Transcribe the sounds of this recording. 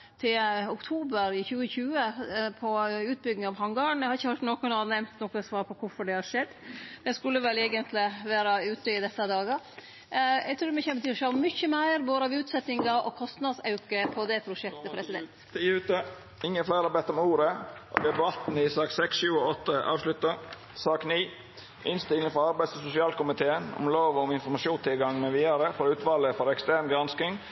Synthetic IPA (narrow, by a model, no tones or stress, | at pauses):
t̪ʰɪlʊkt̪ʰuːbəɾɪçʉːəçʉːəpʰɔʉːt̪̚bʏɡnɪŋɑʋhɑŋɡɑːɳɛhɑɾɪçːəhɑʈt̪noːkɔnɑnɛmt̪nɔkːɔsʋɑːɾpʰɔkʰʊɾfɔɖɛhɑʂɛd̪ːd̪̥ɛskʉlːəʋɛleːɡənt̪lɪʋæːɾɑʉːt̪ːəɪd̪ɛsːɑd̪ɑːɡɑ | ɛ̰ɡt̪ʰɾʉːɾmɛçɛnbət̪ʰyʂølmʏçəmæɪɾboːd̪əɑʋʉːt̪sɛt̪ɪŋɑʔɔ̰kʰɔst̪nɑd̪sɑʉkəpʰɔd̪ɛpʰɾʊʃɛkt̪əpʰɾɛsɪd̪ɛ̰nt̪t̪ʰːʉːt̪ə | ɪŋːəflæɪɾɑbɛt̪ːɔmuːɾəʔɔ̰d̪ɛbɑt̪n̩ɪsɑːksɛksʃʉːəɔt̪ːəʔɑ̰ːʋslʉt̪ə | sɑːkniː | ʔɪnst̪ɪləŋfɔɾɑɾbæɪd̪sɔsʊsɪɑːlkʊmɪt̪ʰeːənɔ̰mloːʋɔɔmɪnfɔɾmɑʃuːnst̪ʰɪlɡɑŋːmɛʋiːɑɾəfɔɾʉːt̪ʋɑːləfɔɾɛkst̪æːɾnɡɾɑnskɪŋ